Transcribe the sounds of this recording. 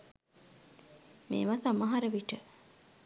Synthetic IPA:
mḛːʋasaməɦaɾəʋiʈə

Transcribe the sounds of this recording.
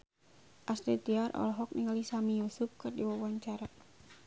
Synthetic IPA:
ʔasɾit̪iarʔɔ̰lɔɦɔk̚niŋalisamijusup̚kɨrdiwawaɲt͡ʃaɾa

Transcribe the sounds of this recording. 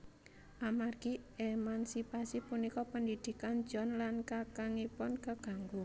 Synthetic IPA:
ʔamarɡ̥iemansipasipunikɔpənd̪id̪̥i̤kand̥d͡ʒ̥ɔ̤nlankakaŋipɔnkəɡ̥a̤ŋɡu

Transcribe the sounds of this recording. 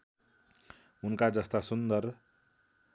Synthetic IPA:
unkad͡zʌst̪asund̪ʌr

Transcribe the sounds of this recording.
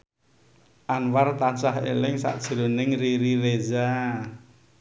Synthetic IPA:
ʔanwart̪at͡ʃaɦḛlɪŋsa̰ʔd̥ʒ̥ə̤ɾonɪŋriɾiɾeza

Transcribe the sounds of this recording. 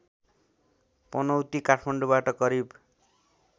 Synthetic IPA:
pɔnʌwt̪ikaʈʰmaɳɖubaʈʌɡʌɾib

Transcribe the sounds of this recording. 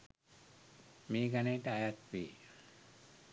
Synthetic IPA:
miːɡaneːʈəajat̪ʋiː

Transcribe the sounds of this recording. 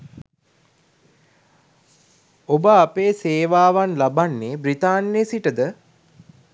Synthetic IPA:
obəapeːseːʋaːʋanlabanːeːbɾit̪aːnːesiʈəd̪ə

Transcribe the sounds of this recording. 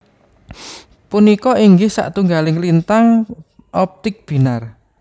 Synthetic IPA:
punikɔiŋɡɪhsa̰ʔt̪uŋɡalɪŋlint̪aŋ | ʔɔp̚t̪ɪk̚b̥i̤nar

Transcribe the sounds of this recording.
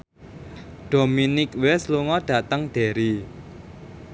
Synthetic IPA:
ɖ̥o̤minɪkwesluŋɔɖ̥ä̤t̪əŋd̪̥e̤ɾi

